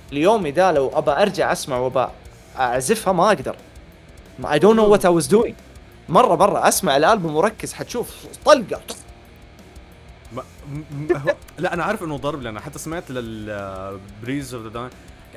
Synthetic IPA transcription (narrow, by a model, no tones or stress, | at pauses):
ɪljoːmid̪alawʔabaʔɑɾˤd͡ʒaʕʔasmaʕwaba̰ | ʔaʕzɪfhamaʔaɡd̪ɑ̰ɾˤ | maʔa̰jd̪uːnʔʊwːat̪awazd̪uːi | mɑrˤːɑmɑrˤːɑʔasmaʕalʔaːlbɪmʊɾˤɑkːɪzħat̪ʃuːft̪ˤɑlɡɑt̪ˤ | m | laʔanaʕaʕɾˤɑfʔɪnːʊd̪ˤɑɾˤblʔanːaħat̪ːasamaʕt̪lɪl | bɾiːzafd̪ad̪aːj